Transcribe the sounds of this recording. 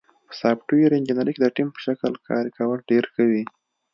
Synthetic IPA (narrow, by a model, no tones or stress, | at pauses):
pə̥sɑpʈuiɾend͡ʒinaɾiked̪əʈimpə̥ʃakəlkʰɑ̰ɾikawəlɖeɾxawi